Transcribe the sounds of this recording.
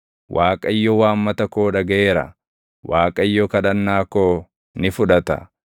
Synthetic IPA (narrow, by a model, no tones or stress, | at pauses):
wʔaːkʼɐɪjːɔwaːmːɐt̪ɐko̞ːᶑɐɡɐʔe̞ːɾɐ̰ | waːkʼɐɪjːɔkɐᶑɐnːaːkoː | nɪfʊᶑɐt̪ɐ̰